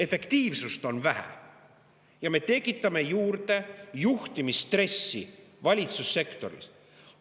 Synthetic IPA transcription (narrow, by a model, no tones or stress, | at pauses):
e̞fe̞kt̪iːvsust̪o̞nvæhæ̰ | jɑme̞t̪e̞kːˑit̪ːˑɑme̞juːrd̪e̞juht̪imist̪re̞sːivɑlʲit̪susːe̞kt̪o̞ɾḭs